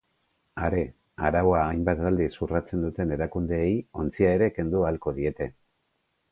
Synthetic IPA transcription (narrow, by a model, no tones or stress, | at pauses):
aɾe̞ | aɾawoaːjmbat̪ald̪isurat͡se̞nd̪ut̪e̞ne̞ɾakund̪e̞ːjo̞nt͡siae̞ɾe̞ke̞nd̪ualko̞ðie̞t̪e̞